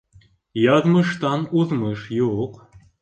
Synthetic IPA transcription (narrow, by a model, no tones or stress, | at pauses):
jɑðməʃt̪ɑnuðməʃjuq